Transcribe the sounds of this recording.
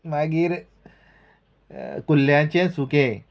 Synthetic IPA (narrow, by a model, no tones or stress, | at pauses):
maɡiːɾ | kulːjãt͡ɕẽsukẽ